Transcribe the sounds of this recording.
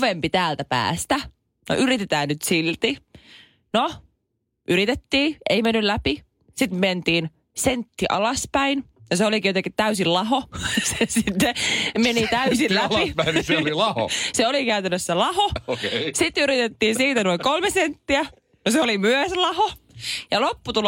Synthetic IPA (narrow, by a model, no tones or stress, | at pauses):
ʋempit̪æːlt̪æpæ̰ːst̪æ | no̰ʔyrit̪et̪æːnnyt̪silt̪i | no | ʔyɾit̪et̪ːiːeimenːyllæpi | sit̪ment̪iːn | sent̪ːiʔɑ̰lɑspæinjɑseolikijot̪ekit̪t̪æysillɑɦosesit̪ːemenit̪æysillæpislilɑho̰seolikæyt̪ænːøsselɑhosit̪yɾit̪et̪ːiːnsiːt̪ænoiŋkolmesent̪ːiæ | noseolimyøslɑhojɑlopːut̪ul